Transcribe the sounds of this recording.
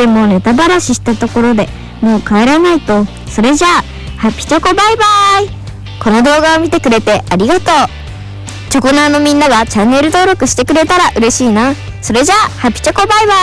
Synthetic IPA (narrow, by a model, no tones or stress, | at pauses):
emo̞ːne̞t̪abaɾaɕiɕi̥t̪at̪o̞ko̞ɾo̞d̪e̞ | mo̞ːkae̞ɾanait̪o̞ | so̞ɾe̞ʑa | hapʲːi̥t͡ɕoko̞baibai | ko̞no̞d̪o̞ːɡaomʲit̪e̞kɯ̟ɾe̞t̪e̞aɾʲiɡat̪o̞ː | t͡ɕo̞ko̞naːno̞mʲĩnːaɡat͡ɕanːe̞ɾɯ̟t̪o̞ːɾo̞kɯ̟ɕi̥t̪e̞kɯ̟ɾe̞t̪aɾaʔɯ̟ɾe̞ɕiːna | so̞ɾe̞ʑahapʲi̥t͡ɕoko̞baiba